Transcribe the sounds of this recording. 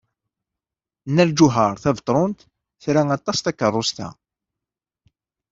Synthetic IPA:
nːæld͡ʒʊɦəɾˤθævt̪ˤɾˤʊnt̪ | θɾaŋɑt̪ˤːɑst̪ækːərˤːʊst̪æ̰

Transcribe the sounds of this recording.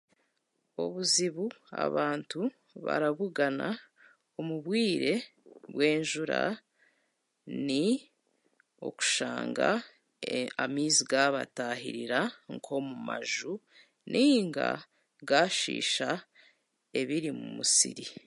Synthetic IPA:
o̞̰βuziβu | a̰βaːntu | βa̰ɾaβuɡana | omuβwiːɾe̞βwe̞ːnʒuɾa | ni | o̞̰ku̥ʃaːŋɡa | amiːziɡaβataɦḭɾiɾaŋkʰo̞mumaʒu | nʔiŋɡa̰ | ɡaːʃḭːʃa | e̞βiɾimumusḭɾi

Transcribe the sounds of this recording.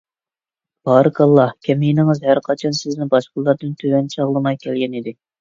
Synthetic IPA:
b̥ɑːɾɨkɑlˠːɑhkʲʰɛmijinɪŋɨzhæɾqʰɑt͡ʃʰɑnsɪznɪbɑʃqʊlˠːɑɾd̪ɨnt̪ʰøwɛnt͡ʃʰɑʁlˠɨmɑjkʲʰɛlɡʲɛnid̪ɪ

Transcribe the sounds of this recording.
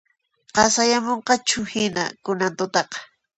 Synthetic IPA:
qɑsajamoɴqɑt͡ʃʊhɪna̰kʊnant̪ʊt̪ɑqɑ̥

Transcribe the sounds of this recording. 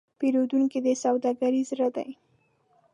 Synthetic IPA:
peɾod̪uŋkid̪əsawd̪ɑɡaɾizɾəd̪a̰j

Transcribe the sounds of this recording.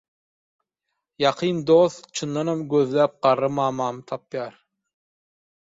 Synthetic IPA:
jɑqʰɯnd̪oːθt͡ʃʰɯnd̪ɑnhɑmɡøðlæːp̚ɢ̥ɑɾːɯmɑːmɑːmɯt̪ʰɑpjɑːɾ

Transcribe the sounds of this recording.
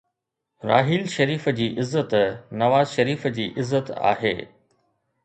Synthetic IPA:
ɾa̰ːɦiːlʃɐɾiːfəd͡ʑiːʔɪzːət̪nɐʋaːzʃɐɾiːfəd͡ʑiːʔɪzːət̪a̰ːɦḛː

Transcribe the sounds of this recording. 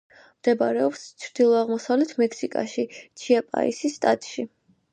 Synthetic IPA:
md̪̥ɛbaɾɛɔpst͡ʃʰɾd̪̥ilˠɔaʁmɔsavlɛt̪ʰmɛkʰsikʼa̰ʃit͡ʃʰiapʼa̰ḭsisːt̪ʼat̪ʼʃi

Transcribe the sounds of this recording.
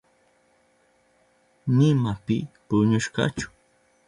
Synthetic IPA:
nɪmapɪpʊɲʊʃkɑ̰t͡ʃʊ̥

